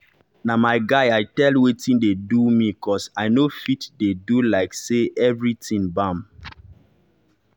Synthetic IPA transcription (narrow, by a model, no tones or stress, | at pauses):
namaɪɡaɪaɪtɛlwetĩndedumikʰɔsaɪnofitdedulaɪkseʔɛvɹitĩnbãm